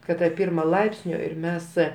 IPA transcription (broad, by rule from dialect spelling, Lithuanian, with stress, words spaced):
kɐt tɐ ˈpʲɪrmɐ ˈlˠɐɪpʲsʲnʲoː ɪr ˈmʲɛs